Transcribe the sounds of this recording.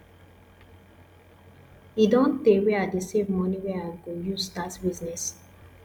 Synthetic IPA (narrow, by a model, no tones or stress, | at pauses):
idɔ̃nteweadesẽmːɔniwɛaɡojuzdatbiznɛs